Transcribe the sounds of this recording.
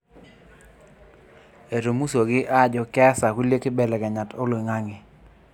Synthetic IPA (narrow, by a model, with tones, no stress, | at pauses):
e˨ɾo˨mu˦so˨ɡɪ˦ʔa˦˨d͡ʒɔ˨kɛ˦sa˨ku˦lje˦ke˦bɛ˦lɛ˨kɛ˨ɲa˨to˦lo˨ŋa˦ŋɪ˨